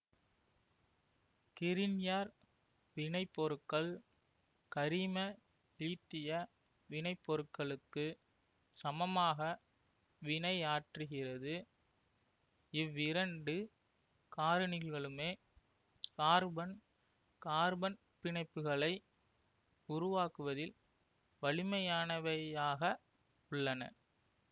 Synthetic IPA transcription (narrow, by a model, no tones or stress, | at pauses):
kɪɾɪnjaːɾ | ʋɪɳɐɪpːɔɾɯkːɐɭ | kɐɾimɐ | it̪ːɪjɐ | ʋɪɳɐɪpːɔɾɯkːɐɭɯkːɯ | sɐmɐmaːɣɐ | ʋɪɳɐɪaːʈrɯɣɪrɐðɯ | ɪʋːɪɾɐɳɖɯ | kaːɾɐnɪlɣɐɭɯmeː | kaːɾbɐn | kaːɾbɐn | pɪɳɐɪpːɯɣɐɭɐɪ | ʊɾʊʋaːkɯʋɐðɪl | ʋɐɭɪmɐjaːnɐʋɐaːɣɐ | ʊɭːɐnɐ̰